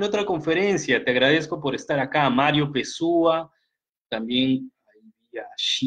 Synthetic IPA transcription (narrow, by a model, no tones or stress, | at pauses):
not̪ɾakoɱfeɾensjat̪eaɣɾaðeskopoɾest̪aɾakaːmaɾjopesua | t̪ambjeŋa | biaʃi